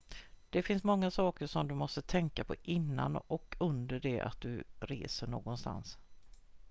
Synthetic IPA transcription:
d̪̥ɛfɪnsmɔŋːasɑːkəʂɔmd̪ɵmɔst̪ət̪ʰɛŋkapʰɔʔɪnːa̰nɔkʰɵnd̪əɖɛʔa̰t̪̚d̪ɵɾḛːsəɳo̰ːɡɔnst̪a̰ns

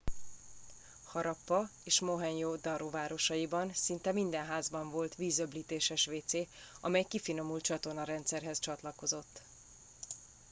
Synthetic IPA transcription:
hɒɾɒpːɒeːʃmo̞ɦɛɲjoːd̪ɒɾovaːɾo̞ʃɒjibɒnsint̪ɛmind̪ɛnɦaːzbɒɱvo̞lt̪ʋiːzø̞bliːt̪eːʃɛʃʋeːt̪seːɒmɛjkifino̞mult̪t͡ʃɒt̪o̞rnɒɾɛnt̪sɛrɦɛst͡ʃɒt̪lɒko̞zo̞t̪ː

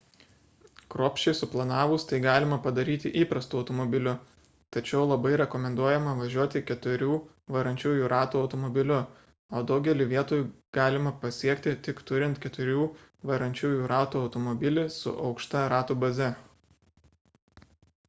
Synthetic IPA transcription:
kɾoːpʲʃʲt͡ʃʲɛɪsʊplˠɐnɑːʋʊst̪ɐɪɡɑːlʲɪmɐpɐd̪ɐɾʲiːt̪ʲɪʔiːpɾɐst̪uːɒʊt̪ɔmɔbʲɪlʲʊ | t̪ɐt͡ʃʲɛʊlˠɐbɐɪɾʲɛkɔmʲɛnd̪uɔjɛmɐʋɐʒʲuɔt̪ʲɪkʲɛt̪ʊɾʲuː | ʋɐɾɐnʲt͡ʃʲuːjuːɾʔɑːt̪uːɒʊt̪ɔmɔbʲɪlʲʊ | oːd̪ɒʊɡʲɛlʲɪʋʲiɛt̪oːjuɡ̥ɑːlʲɪmɐpɐsʲiɛkt̪ʲɪt̪ʲɪkt̪ʊɾʲɪnt̪kʲɛt̪ʊɾʲuː | ʋɐɾɐnʲt͡ʃʲuːjuːɾʔɑːt̪uːɒʊt̪ɔmɔbʲɪlʲɪsʊ̰ʔɒʊkʃt̪ɐɾɑːt̪uːbɐzʲɛ

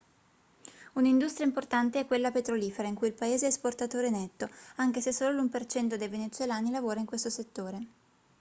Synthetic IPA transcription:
unind̪ust̪ɾjaimport̪ant̪eɛkːwelːapet̪ɾoliːfeɾaiŋkujilpaeːzeɛsport̪at̪oːɾenet̪ːoaŋk̟esesoːlolumpert͡ʃɛnt̪od̪ejvenet̪sːwelaːnilavoːɾaiŋkwest̪oset̪ːoːɾe

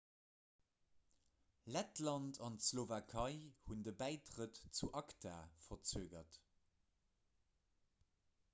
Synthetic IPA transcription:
lætlɑntʰɑntslovakʰɑɪhundəbæɪtʁətt͡suʔɑktʰa̰ːfɐt͡syəɡɐt

